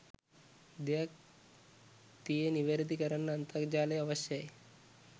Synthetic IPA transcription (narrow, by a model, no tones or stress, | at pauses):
d̪ak | t̪ieniʋeɾid̪ʱikəɾəɳːaənt̪əɡd͡ʑaleəʋəɕjəe